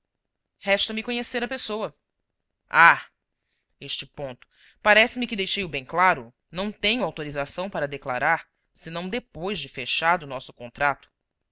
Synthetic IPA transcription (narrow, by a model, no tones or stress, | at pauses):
hɛʃt̪ɐmɪkõɲeseɾɐpesowɐ | a | eʃt͡ʃɪpõnt̪ʊ̥ | paɾɛsɪmɪkɪd̪ejʃejʊbẽj̃klaɾʊ | nɐ̃w̃t̪ẽɲʊawt̪oɾizasɐ̃w̃paɾɐd̪ekla̰ɾaɾ | sɪnɐ̃w̃d̪epojzd͡ʒɪfeʃaɾd̪ʊnɔsʊ̥kõnt̪ɾat̪ʊ̥